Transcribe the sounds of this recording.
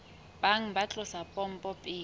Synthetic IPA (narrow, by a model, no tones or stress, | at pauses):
b̥aŋ̩bat͡ɬʼʊsapʼɔm̩pʼɔpʼiː